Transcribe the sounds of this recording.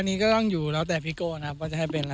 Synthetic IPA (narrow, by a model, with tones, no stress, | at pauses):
nːiː˦˥kɔː˥˩t̪ɔ˥˩ŋjuː˨˩lɛː˦˥wt̪ɛː˨˩pʰi˦˥koː˧˩na˧kʰa˦˥p̚kɔː˥˩t͡ɕa˨˩a˥˩jpe˧nla˧